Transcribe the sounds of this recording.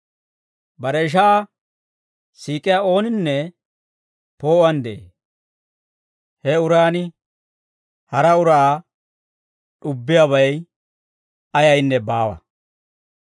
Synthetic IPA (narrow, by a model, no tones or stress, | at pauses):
bɐɾɛɪʃ̬aː | siːkʼɪjaːo̞ːnɪnːɛ | po̞ːʔɐnd̪ee | hɛʊɾaːnɪ | hɐɾɐʊɾɐaː | ɗʊbːɪjaβɐj | ɐjɐjnːɛbaːwɐ̰